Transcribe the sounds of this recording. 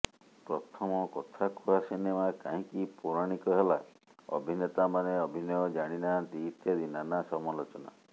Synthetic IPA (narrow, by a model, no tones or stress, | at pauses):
pɾɔt̪ʰɔmɔkɔt̪ʰakʰuasinemakaɦĩkipuɾaɽ̃ikɔɦela | ɔ̰bʱinet̪amaneɔbʱinjɔd͡ʒaɽ̃inad̪it̪ʰjɔd̪inanasɔmɔlɔt͡ʃɔna̰